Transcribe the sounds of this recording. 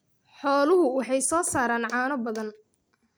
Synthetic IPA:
ħɔːlʊɦʊwɑħɑjsɔːsaːɾaːnʕɑːnɔbɐðɐn

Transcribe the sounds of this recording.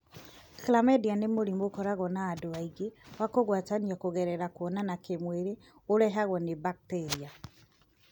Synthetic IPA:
klamɛdianemoɾimokɔɾaɣɔnaːdoaiɣewakoɣwataniakoɣɛɾɛɾakwɔnanakemweɾe | oɾɛɦaɣɔnebak̚tɛɾia

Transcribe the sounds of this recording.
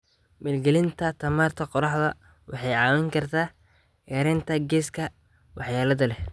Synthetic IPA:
mɛːlɡɛlɪnt̪ʰɐt̪ʰɐmaːrt̪ʰɐqɔɾɑħðɐ | wʔɑħɑjʕɑːwɛŋkʰɐrt̪ʰaː | ʔɛɾɛnt̪ʰɐɡɛːskʰɐ | wɑħjaːlɐðɐlɛh

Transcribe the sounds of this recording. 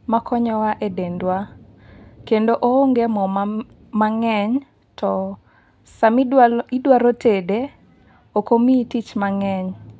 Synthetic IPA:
makʰɔɲɔwaʔedendwa | kendoʔooŋɡemɔm | maŋɛɲ | tɔ | samidwaɾotʰede | okomitit͡ʃmaŋɛɲ

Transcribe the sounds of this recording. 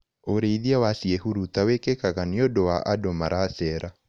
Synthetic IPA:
oɾeiðiawasiehuɾutawekekaɣaniodowaʔadomaɾasɛɾa

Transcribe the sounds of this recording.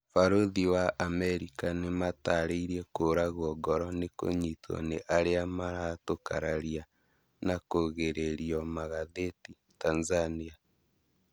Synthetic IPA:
faɾoðiwaʔːmɛɾikanemataɾeiɾiekoɾaɣwɔɡɔɾɔneko̰ɲitʰɔ̰neʔaɾeamaɾatoka̰ɾaɾia | nakoɣeɾeɾiɔmaɣaðeti | tanzania

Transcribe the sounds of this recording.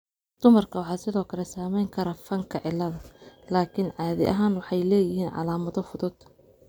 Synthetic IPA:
d̪̥ʊmɐrkʰɐwɑħɑːsɪðɔːkʰɐlɛsaːmɛjŋkʰɐɾɐfɐŋkʰɐʕɪlːɐðɐlaːkʰɪnʕɑːðɪʔɐ̰ɦaːnwɑħɑjlɛːjɪɦiːnʕɑ̰laːmɐðɔfʊðʊd̪

